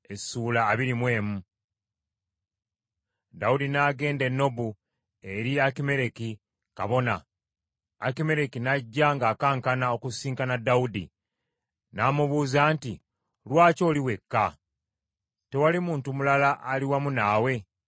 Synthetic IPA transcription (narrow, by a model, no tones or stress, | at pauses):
esuːlaːβiɾimwe̞ːmu | daudinaːɡe̞ːnde̞nːo̞bu | e̞ɾiakime̞ɾe̞ki | ka̰βo̞na̰ː | kime̞ɾe̞kinaɟːaŋɡaːkaːŋkanao̞kusiːŋkanadːaudḭ | naːmuβuːzaːnti | lwaːco̞ːliwe̞kːa | te̞walimuːntumulalaʔaliwamunaːwe̞